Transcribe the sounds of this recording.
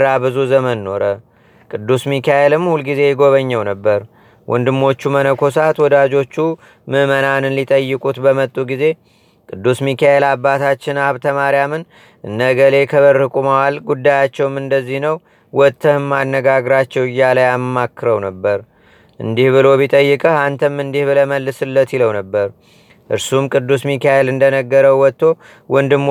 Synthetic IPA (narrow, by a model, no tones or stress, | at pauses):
abɨzuzəmənːo̞ɾə | kʼɨd̪ːusmikʰaelɨmhulɡize̞jɛɡo̞βəɲːɛwnəbːəɾ | wʔɔ̰nd̪ɨmːo̞t͡ʃːumənəkʰo̞sat̪wɔd̪ad͡ʒo̞t͡ʃːu | mɨmənanɨnlit̪ʼəjːɨkʼut̪bəmət̪ʼːuɡize̞ | kʼɨd̪ːusmikʰae̞labːat̪ʰat͡ʃːɪnaβt̪ʰəmaɾjamɨn | ɨnːəɡəle̞kʰəβəɾːɨkʼumawalɡud̪ːajat͡ʃːɛwmɨnd̪əzːihnəw | wɔt̪ʰːəhmːanːəɡaɡɾat͡ʃːɛwɪjːalajamːakːɨɾəwnəbːəɾ | ʔɨ̰nd̪ihβɨlo̞βit̪ʼəjːɨkʼəhant̪ʰəmːɨnd̪ihβɨləməlːɨsɨlːət̪iləwnəbːəɾ | ʔɨɾsumkʼɨd̪ːusmikʰaelɨnd̪ənəɡːəɾəwːɔt̪ːo̞ | wʔɔnd̪ɨm